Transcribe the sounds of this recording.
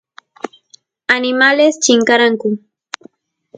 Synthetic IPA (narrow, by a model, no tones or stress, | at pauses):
anɪmalest͡ʃɪŋkaɾaŋkʊ